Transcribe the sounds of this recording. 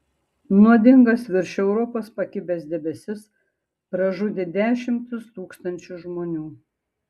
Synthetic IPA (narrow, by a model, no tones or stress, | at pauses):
nuɔd̪ʲɪŋɡɐsʋʲɪɾʲʃʲɛʊɾɔpoːspɐkʲɪbʲeːsd̪ʲɛbʲɛsʲɪs | pɾɐʒʊd̪ʲed̪ʲæːʃʲɪmt̪ʊst̪uːkst̪ɐnʲt͡ʃʲʊʒmoːnʲuː